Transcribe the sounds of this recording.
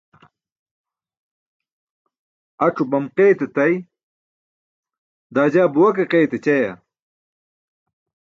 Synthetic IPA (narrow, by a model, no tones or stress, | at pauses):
ɐʈ͡ʂubɐmqejt̪et̪ɐj | d̪aːd͡ʑaːbuwɐkeqejt̪et͡ɕɐja